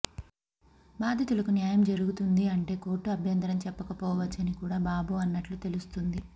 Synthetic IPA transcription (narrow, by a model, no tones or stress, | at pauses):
baːd̪ʱɐt̪ulɐkunjaːjɐmd͡ʒɐɾuɡut̪und̪iɐɳʈe̞ːko̞ːʈːuɐbʱjɐnt̪ɐɾɐmt͡ʃɛpːɐkɐpɔːʋɐt͡ʃːɐnikuːɽaːbaːbuɐnːɐʈlut̪e̞lust̪und̪i